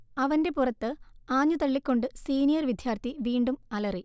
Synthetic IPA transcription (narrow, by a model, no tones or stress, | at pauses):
ɐʋɐnde̞purɐt̪ːɨaːɲːut̪ɐɭːikʲːo̞ɳɖɨsiːnijɐrʋid̪ʱjaːrt̪ʰiʋiːɳɖumɐlɐri